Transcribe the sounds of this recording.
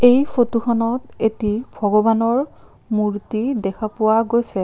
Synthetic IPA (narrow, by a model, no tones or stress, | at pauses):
ejfotuxʰɔnɔtetibʱɔɡɔbanɔɹ | muɹtidɛkʰapʊwaɡojsɛ